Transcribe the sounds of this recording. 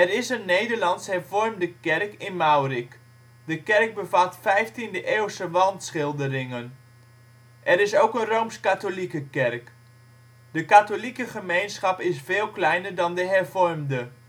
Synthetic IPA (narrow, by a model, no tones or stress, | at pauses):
ɛrɪsənːejdəɹlɑnshɛɹvɔɹmdəkɛrkɪnmawrik | dəkɛrɡ̚bəvatfɛjftindəʔeːwsəʋɑntsχɪlˠdərɪŋən | ʔɛɾɪsowkənrowmskatolikəkɛrk | dəkatolikəχəmejnsχɑpɪsfeːlˠklɛjnəɹdɑndəɦɛɹvɔrmdə